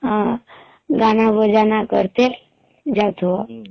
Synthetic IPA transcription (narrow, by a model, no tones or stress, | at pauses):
ã | ɡañabəd͡ʒanakə̰ɾt̪el | d͡ʒawt̪oɔ